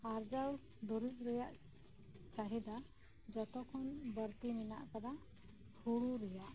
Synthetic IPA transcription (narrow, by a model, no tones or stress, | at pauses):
aɾd͡ʒaw | d̪uɾut̪̚ɾɛjaʔ | t͡ʃaɦid̪a | d͡ʒɔt̪ɔkʰɔnbəɾt̪imina̰ʔkad̪a | hʰuɽuɾɛjaʔ